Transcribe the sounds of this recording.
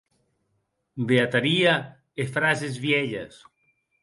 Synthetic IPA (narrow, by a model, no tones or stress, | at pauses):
beat̪aɾia | efɾasezβjeʎa̰s